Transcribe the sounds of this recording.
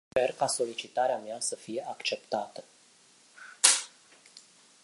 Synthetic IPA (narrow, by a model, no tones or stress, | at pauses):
pe̞rkaso̞lit͡ʃit̪aɾeameasəfije̞akt͡ʃe̞pt̪at̪ə